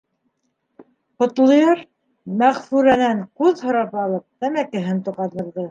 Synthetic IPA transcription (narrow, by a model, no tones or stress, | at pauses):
qŏt̪lˠɤ̆jɤɾ | mæʁfʉɾænæɴqʉðhŏɾɑpɑlˠɤp̚t̪æmækɘ̆ɦɘnt̪uʁɑnɤ̆ɾðɤ